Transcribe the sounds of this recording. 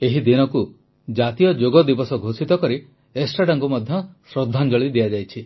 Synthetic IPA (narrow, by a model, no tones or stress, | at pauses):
eɦid̪inɔku | d͡ʒat̪ijɔd͡ʒoɡɔd̪ibɔsɔɡʱosit̪ɔkɔɾi | esʈɾaɖaŋkumɔd̪ʱjɔsɾɔd̪ʱːand͡ʒɔɭid̪iad͡ʒajt͡ʃʰi